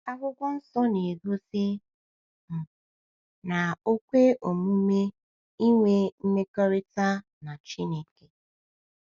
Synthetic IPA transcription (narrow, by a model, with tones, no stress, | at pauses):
a˦ɡʊ˦ɡʷɔ˦n̩˦sɔ˦ne˨ɡo˦sɪ˦ | m̩˨ | na˨o˦kʷe˦ʔo˨mu˦me˦ | i˦ŋʷe˦m̩˦me˦kɔ˦ɾi˦ta˦ | na˨t͡ʃi˦ne˨ke˨